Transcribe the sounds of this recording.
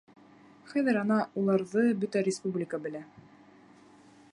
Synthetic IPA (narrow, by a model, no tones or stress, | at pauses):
χæðɘɾɑnɑulˠɑɾðɤbɵt̪æɾʲɪspublʲɪkəbɘ̆læ